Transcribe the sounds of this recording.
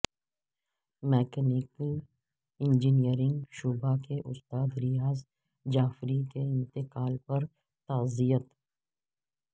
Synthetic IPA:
mɛːkɛnɪkəl | ɪ̃nd͡ʒinijəɾɪ̃ŋɡʃuːbakeʔʊst̪aːd̪ɾɪjaːz | d͡ʒaːfɾikeɪ̃nt̪ɪqaːlpɐɾ | t̪aːzijət̪

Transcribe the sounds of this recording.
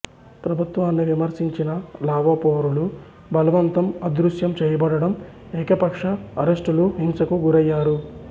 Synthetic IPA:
pɾɐbʱut̪ʋaːnːiʋimɐɾsiɲt͡ʃinɐlaːʋɐpoːɾulu | bɐlɐʋɐnt̪ɐmɐd̪ɾuʂjɐmt͡ʃɛːjɐbɐɽɐɽɐm | ɛːkɐpɐkʂɐːɾeʂʈuluɦiŋsɐkuɡuɾɐjːaːɾu

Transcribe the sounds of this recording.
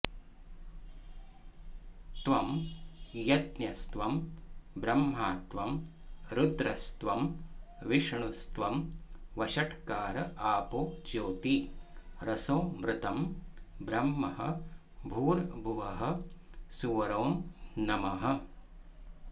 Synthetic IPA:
t̪ʋɐm | jɐt̪njɐst̪ʋɐmbɾɐmɦaːt̪ʋɐmɾud̪ɾɐst̪ʋɐm | ʋiʂɳust̪ʋɐmʋɐʃɐʈkaːɾɐaːpoːt͡ʃoːt̪iɾɐsoːmɾɪt̪ɐmbɾɐmːɐɦɐ̰ | bʱuːɾbʱuʋɐɦɐsuʋɾoːmnɐmɐɦɐ̆

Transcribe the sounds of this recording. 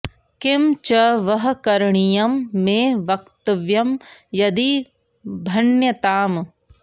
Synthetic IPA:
kɪmt͡ʃɐʋɐɦɐkɐɾɳijɐmːeːʋɐkt̪ɐʋjɐmjɐd̪i | bʱɐnjɐt̪aːm

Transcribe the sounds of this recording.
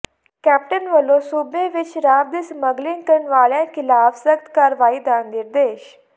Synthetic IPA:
kæp̚ʈənʋəlosubeʋit͡ɕɾab̚d̪isməɡlinkəɳʋaɭjãkilaːbsək̚t̪kaɾʋaiːd̪ãnd̪iɾd̪eːɕ

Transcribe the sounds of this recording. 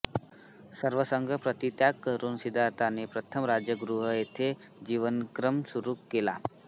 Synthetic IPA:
səɾʋəsəŋɡʱəpɾət̪it̪jakkəɾuːnsid̪ʱaɾt̪anepɾət̪ʰəmɾad͡ʒjəɡɾuɦəet̪ʰe | d͡ʒiʋənkɾəmsuɾukːela̰

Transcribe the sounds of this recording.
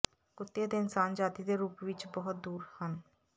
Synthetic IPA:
ɡ̥ot̪ːiad̪eɪnsaːnd͡ʒaːt̪id̪eɾːuːpbit͡ʃbɔɦʊt̪̚d̪uːɾhən

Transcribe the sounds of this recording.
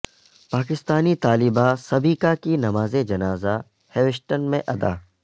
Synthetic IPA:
paːkɪst̪aːnit̪aːlɪbasɐbʱiːkakinɐmaːzed͡ʒɐnaːza | hɛːʋɪʃʈənmẽʔɐd̪a̰ː

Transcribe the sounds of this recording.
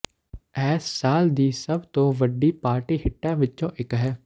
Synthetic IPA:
ɛːsːaːld̪iːsəbt̪õːʋəɖːiːpaːɾʈiːhɪʈːãːʋɪt͡ʃõːʔɪkɦɛː

